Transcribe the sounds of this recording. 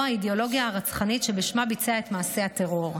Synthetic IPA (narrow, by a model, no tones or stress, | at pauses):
haideo̞lo̞ɡiaːʁat͡sχanitʃebeʃmabit͡seaet̪maːse̞at̪eʁo̞ʁ